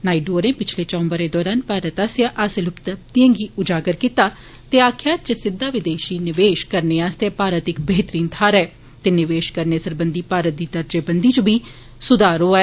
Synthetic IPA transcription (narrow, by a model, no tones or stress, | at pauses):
naːiɖoːɾẽːpɪt͡ʃʰleːt͡ʃɔ̃ːmbəɾeːd̪ɔːɾaːnpaːɾət̪asjaːʔaːselʊpt̪əpt̪iə̃ːŋɡiːʊd͡ʒaːɡəɾkiːt̪aː | t̪eːaːkʰjaːt̪̚t͡ʃəsɪd̪ʱːaːʋɪd̪eːʃiːnɪʋeːʃkəɾneːaːst̪epaːɾət̪ɪkbeːt̪ɾiːnt̪ʰaːɾɛː | t̪eːnɪʋeːʃkəɾneːsəɾbənd̪iːpaːɾət̪̚d̪iːd̪əɾd͡ʒeːbənd̪iːt͡ʃubʱiː | sʊd̪aːɾoːaɛ